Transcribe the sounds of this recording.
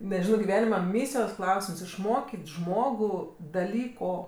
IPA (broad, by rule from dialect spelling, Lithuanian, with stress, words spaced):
nʲɛˈʒʲɪnoː ɡʲɪˈʋʲæːnʲɪmɐ ˈmʲiːsʲɪjoːs ˈklˠɐʊsʲɪms ɪʃˈmoːkʲɪtʲ ˈʒmoːɡʊ dɐˈlʲiːkoː